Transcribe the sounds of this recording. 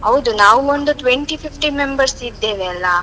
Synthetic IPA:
ɐʋd̪unaːʋuond̪uʈ̪ʋeɳʈipʰipʰʈimembɐɾsid̪ːeːʋeɐlːɐ

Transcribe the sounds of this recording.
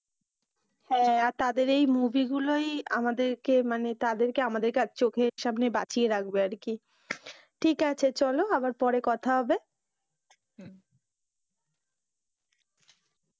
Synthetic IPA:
hɛ̃aɾt̪ad̪eɾejmubiɡuloja̰mad̪eɾkemanet̪ad̪eɾkeamad̪eɾkat͡ɕʰt͡ɕokʰeʃamnebat͡ɕieɾak̚beaɾki | ʈʰikat͡ɕʰet͡ɕɔloabaɾpɔɾekɔt̪ʰaɦɔbe

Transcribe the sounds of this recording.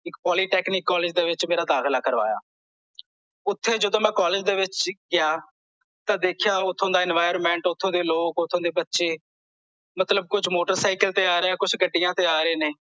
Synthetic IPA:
ɪkpɔːliːʈɛːknɪːkːɔːlɪːd͡ʒd̪eːʋɪt͡ʃmeːɾaːd̪aːkʰlaːkəɾʋa̰ːja̰ː | ʊt̪ʰːeːd͡ʒəd̪õːmɛ̃ːkɔːleːd͡ʒd̪eːʋɪt͡ʃɡɪjaː | t̪ãːd̪eːkʰjaːʊt̪ʰːõːd̪aːɛːnʋaːɪɾmɛ̃ːɳʈʊt̪ʰːõːd̪eːloːkʊt̪ʰːõːd̪eːbətːʃeː | mət̪ləb̚kʊt͡ʃmoːʈəɾsaːɪkəlt̪eːaːɾeɛ̃ːkʊt͡ʃʰɡəɖːɪjãːt̪eːaːɾeːneː

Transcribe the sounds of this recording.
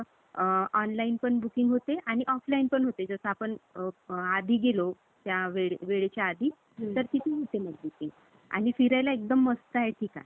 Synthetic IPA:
ɔnlainpəɳbukiŋɡɦot̪eʔaɽ̃iʔɔflainpəɳɦot̪ed͡zosapəɳ | ad̪ʱiːɡelo | t̪jaʋeɭʋeɭet͡ɕjaad̪ʱiː | t̪əɾkit̪ʰiːɦot̪emaɡbukiŋɡ | a̰ɽ̃ifiɾajlaek̚d̪əmːəst̪əɦeʈʰika̰

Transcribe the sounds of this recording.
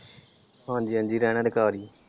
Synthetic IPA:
pãːnd͡ʒiːə̃nd͡ʒiːɾɛːñəːd̪ɪkaːɾiː

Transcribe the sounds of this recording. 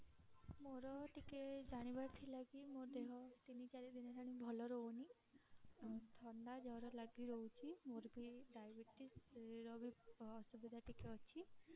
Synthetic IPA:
moɾɔʈiked͡ʒaɽ̃ibaɾt̪ʰilaɡimod̪eɦɔt̪init͡ʃaɾid̪inɔt̪ʰaɽ̃ibʱɔlɔɾɔuni | t̪ʰɔɳɖad͡ʒɔɾɔlaɡiɾɔwt͡ʃʰimoɾbʱiɖajbeʈisɾɔbʱiɔsubid̪ʱaʈikeɔt͡ʃʰi

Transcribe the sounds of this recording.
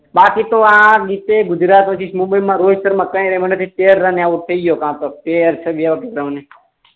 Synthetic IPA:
bakit̪oãɡit̪eɡʊd͡ʒɾaːt̪ʋət͡ʃʰiʃmʊ̃mbəjmãɾod͡ʒt̪əɾmãːkə̃ɾemənət̪ʰit̪eɾːãneaʋut̪ʰəid͡ʒjokãːt̪ot̪eɾt͡ʃʰeʋiaʋəket̪ɾəmne

